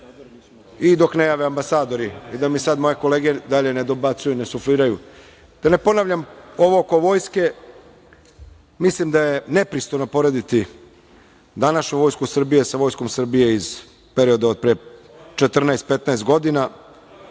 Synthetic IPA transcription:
id̪o̞knejaːʋeambasaːd̪o̞ɾiid̪amisad̪mo̞je̞ko̞le̞ːɡe̞d̪aʎe̞ned̪o̞bat̪sujunesufliːɾaju | d̪̥ane̞po̞naʋʎamo̞ʋooko̞ʋo̞ːjske̞ | mislimd̪aje̞ne̞pɾist̪ojnopo̞ɾe̞d̪it̪i | d̪anaʃɲuʋo̞ːjskusr̩bijesaʋo̞jskomsr̩bije̞iz | pe̞ɾio̞d̪ao̞d̪̚pɾet͡ʃet̪r̩naest̪̚pe̞t̪naest̪ɡo̞d̪ina

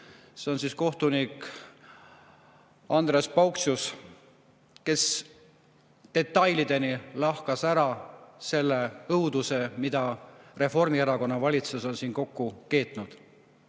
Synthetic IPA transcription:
se̞o̞nsiːsko̞ht̪unik | ɑnd̪respɑwksus | ke̞s | t̪e̞t̪ːˑɑjlid̪̥e̞nilɑhkɑsæɾɑse̞lːeɤwd̪use̞mid̪̥ɑre̞fo̞rmieɾɑko̞nːɑvɑlʲit̪suso̞nsiːnko̞kːuke̞ːt̪ˑnud̪̥

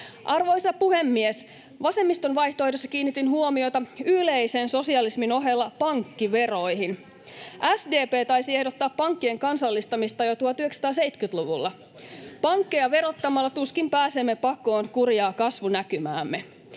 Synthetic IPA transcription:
ʔɑrʋo̞jsɑpuhe̞mːies | ʋɑse̞mːist̪onʋɑjht̪oːojdesːɑ̥kiːnːit̪inhuo̞mio̞jt̪ɑyle̞jsenso̞siɑlismino̞ɦe̞lːɑpɑŋkːiʋe̞ro̞jɦin | ʔæsde̞ːpeːt̪ɑjsie̞hdot̪ːɑːppɑŋkːie̞ŋkɑnsɑlːist̪ɑmist̪ɑjo̞t̪uot̪yheksɑ̥t̪ɑːs̬ejt̪kyt̪luʋṵlːɑ | pɑŋkːejɑʋe̞ɾo̞t̪ːɑmɑlːɑt̪uskimpæːsemːe̞pɑko̞ːnkurjɑːkɑsʋunækymæ̰ːmːe

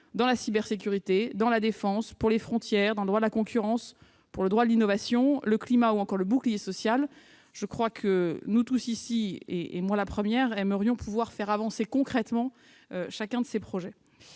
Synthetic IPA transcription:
d̪ɑ̃lasibɛʁsek̬ʲyʁit̪ed̪ɑ̃lad̪efɑ̃spuʁlefχɔ̃t̪jɛʁd̪ɑ̃ləd̪ʁwad̪əlakɔ̃kʰʲyʁɑ̃s | puʁləd̪ʁwad̪əlinɔvasjɔ̃ləklimauɑ̃kɔʁləbuklijesɔsjal | ʒ̥əkχwakʰənut̪usisiḛʔḛmwalapχəmjɛʁɛməʁjɔ̃pʰuvwaʁfɛʁavɑ̃sekɔ̃kχɛt̪mɑ̃ | øʃakʲɛ̃d̪əsepχɔʒɛ

